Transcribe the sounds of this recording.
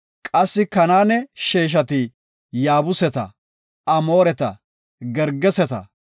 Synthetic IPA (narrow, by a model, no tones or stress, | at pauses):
kʼɐsːɪkɐnaːnɛʃeːʃ̬ɐt̪i | jaːbʊsɛt̪ɐ̰ | ɐmo̞ːɾɛt̪ɐ̰ | ɡɛɾɡːɛsɛt̪ɐ̰